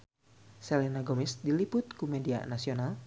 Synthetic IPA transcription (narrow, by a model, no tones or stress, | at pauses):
sɛlinaɡomisdilipʊt̪̚kumɛdia̰nasional